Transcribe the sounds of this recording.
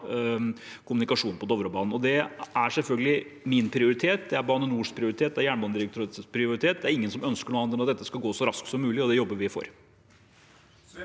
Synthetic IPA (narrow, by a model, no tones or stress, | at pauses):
kʰʊmʉnɪkɑʂuːnpʰɔd̪ɔʋɾɔbɑːnn̩ɔd̪ɛæɾʂɛlfœlɡəlɪ | mɪnpʰɾɪʊɾɪt̪ʰeːt̪d̪ɛæɾbɑːnənuːʂpʰɾɪʊɾɪt̪ʰeːt̪̚d̪ɛæɾjæːɳbɑːnd̪ɪɾɛk̚t̪ʰʊɾt̪pʰɾɪʊɾɪt̪ʰeːt̪̚d̪ɛæɾɪŋːənsɔmœnskəɳuːɑnd̪ənɑt̪̚d̪ɛt̪ːəskɑlɡoːsɔɾɑsksɔmːʉːlɪɔd̪ɛjɔbːəɾʋɪfo̰ːɾ